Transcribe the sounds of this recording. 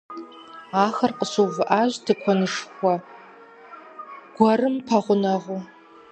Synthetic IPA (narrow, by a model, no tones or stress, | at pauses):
aːxɐrqəsuwvɨʔaːʑtʰɨkʷʰɔnɨʂxʷɔ | ɡ̥ʷɐrɨmpʰɐʁʷʊnɐʁu